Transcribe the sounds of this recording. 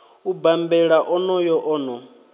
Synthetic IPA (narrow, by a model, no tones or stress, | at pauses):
ubambɛɺaʔɔnɔjɔʔɔːnɔ